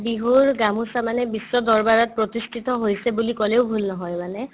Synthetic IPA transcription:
biɦuɹɡamusamanɛbisːɔdɔɹbaɹɔt̚pɹɔtistʰit̪ɔɦojsɛbulikɔleʊbʱulnɔɦɔjmanɛ

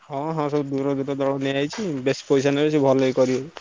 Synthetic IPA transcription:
hɔ̃ɦɔ̃sɔbud̪uɾɔd̪uɾɔd̪ɔɭɔniajt͡ʃʰibespojsanabes̬ibʱɔlɔjkɔɾibɔ

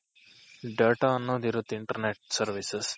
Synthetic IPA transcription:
ɖeːʈaɐnːod̪iɾut̪iɳʈəɾneʈ̚sɐɾʋises

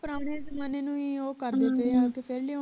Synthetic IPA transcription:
pəɾaːnẽːsmaːneːnũːiːoːkəɾd̪eːpeːaːkepʰeɾle

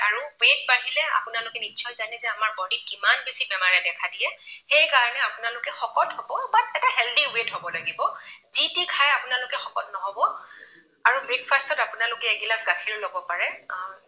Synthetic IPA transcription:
aɹuwet̚banilɛa̰pʊnalʊkɛnitːʃʰɔjzanɛzɛamaɹbɔɹdit̚kimanbesibɛmaɹɛdɛkʰadijɛxejkaɹɔnɛapʊnalʊkɛxɔkɔtɦobɔbatɛtaɦɛldiwetɦobɔlaɡibɔzitikʰajapʊnalʊkɛxɔkɔt̚nɔɦɔbɔ | aɹubɹik̚pʰastɔtapʊnalʊkɛːɡilasɡakʰiɹlobɔpaɹɛ

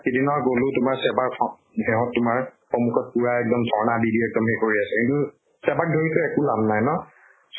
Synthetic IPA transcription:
kidinɔɡolʊ̃tʊmaɹsɛbaɹɔ | hɛɦɔ̃tːʊmaɹpɔmukʰɔt̚puɹaɛk̚dɔmdʱɔɹnabidiɛk̚dɔmhekoɹiasɛkintu | sɛbak̚dʱoɹitʊɛkulabʱnajnɔ | s

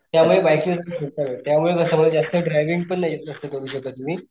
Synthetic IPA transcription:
t̪jamuɭebajkiət̪əsʰuɾt̪aʋet̪jamuɭekəsaməd̪ed͡zast̪əɖɾajʋiŋɡ̚pəɳːajet̪̚əst̪əːt̪oɾuːɕək̚t̪ət̪um̤iː

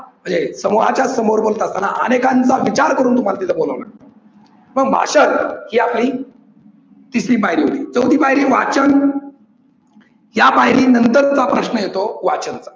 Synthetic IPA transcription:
m̤ə̃ɳd͡zesəmuɦat͡ɕjasəmoɾbolt̪əst̪anaʔə̰nekãnt͡saʋit͡ɕaɾkəɾuːnt̪um̤alat̪it̪ʰeboləʋnak̚t̪o | məɡbʱa̰ɕənhiːapliː | t̪isɾiːbaɦiɾiːɦot̪iːt͡səwd̪ʱiːbaɦiɾiːʋat͡ɕən | jabaɦiɾiːnənt̪əɾt͡sapɾəɕnəjet̪oʋat͡ɕənt͡sa

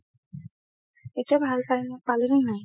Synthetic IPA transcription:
etiabʱalpaɹinpalenenaj

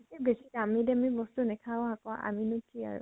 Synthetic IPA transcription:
sibesikamidɛmibɔstunɛkʰaɔ̃akɔa̰minutʰia̰ɹʊ̰

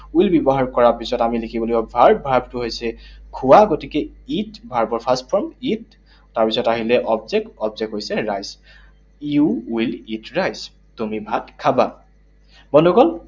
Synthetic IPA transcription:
uilbɔbɔɦaɹkɔɹapisɔtamilekʰibɔlojɔbʱaɹbʱaɹb̚tʊɦojsɛkʰuwaɡotikɛitbʱaɹbɔɹpʰastpʰɔɹmit | taɹpisɔtaɦilɛʔɔbzɛk̚ɔbzɛkɦojsɛɹajz | juwilitɹajz | tumibʱatkʰaba | bɔnuɡɔl

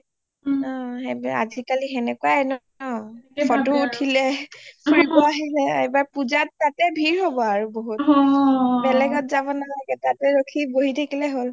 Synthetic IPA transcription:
ɔ̃ɛa̰zʱikalixɛnɛkuaɛn | ɔɔtuːtʰilɛsuɹipɔaɦilɛebaɹpuzatːatɛbʱiɹɦobɔaɹuboɦut̚ | bɛlɛɡɔtzabɔnalaɡɛtatɛɹokʰiboɦitʰakilɛɦol

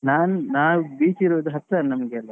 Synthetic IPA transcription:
naːnunaːwubiːt͡ʃiɾoːd̪uɦɐt̪ːɾannɐmɐɡeɐlːɐ

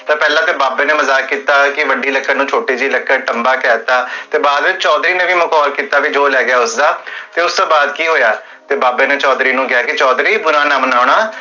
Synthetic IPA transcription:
t̪aːpɛːlãːt̪eːbaːbeːneːməzaːkːiːt̪aːkɪʋəɖiːləkːənũːt͡ʃʰoːʈiːd͡ʒiːləkːəʈəmbaːkɛːt̪aːt̪eːbaːd̪ʋɪt͡ʃt͡ʃɔːd̪ɾiːnẽːʋiːməkɔːlkiːt̪aːʋid͡ʒoːlɛːɡɪjaːʊsd̪aːt̪eːʊst̪õːbaːd̪kiːɦoːjaː | t̪eːbaːbeːnẽːt͡ʃɔːd̪ɾiːnũːɡɪjaːkɪt͡ʃɔːd̪ɾiːbʊɾãːnaːmənaːɽaː

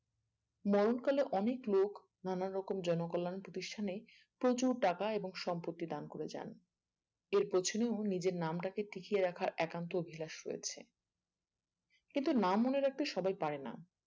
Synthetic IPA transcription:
mɔɾonkaleʔɔneklok | nanaɾːɔkomd͡ʑɔnokɔlːanpɾot̪iʃʈʰane | pɾot͡ɕuɾʈakaeboŋʃɔmpot̪ːid̪ankoɾed͡ʑa̰n | eɾpɾot͡ɕʰoneonid͡ʑeɾnamʈakeʈikijeɾakʰaɾʔɛkant̪̬oobʱilaʃɾojḛt͡ɕʰḛ | kint̪unamːoneɾak̚t̪eʃɔbajpaɾena̰

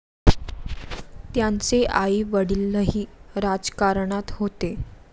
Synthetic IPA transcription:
t̪jant͡seʔaiːʋəɽilːəɦiːɾad͡zkaɾɳat̪ɦot̪e

